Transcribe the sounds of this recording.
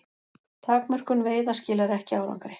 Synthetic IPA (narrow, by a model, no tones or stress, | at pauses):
t̪ʰaːkmœr̥kʏnveːjðascɪːlaɾɛhcɪaːwɾa̰wŋkɾɪ